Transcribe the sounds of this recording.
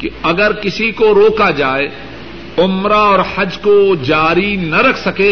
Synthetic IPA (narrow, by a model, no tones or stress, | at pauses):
kiɐɡəɾkɪsikoɾoːkad͡ʒaːe | ʊmɾaɔːɾhɐd͡ʒkod͡ʒaːɾinɐɾɐkʰsɐkeː